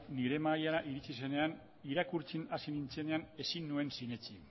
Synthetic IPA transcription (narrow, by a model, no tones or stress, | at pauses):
niɾe̞majanaʔiɾit͡sise̞ne̞an | iɾakuɾt͡sinasinint͡se̞ne̞ane̞sinːue̞nsine̞t͡si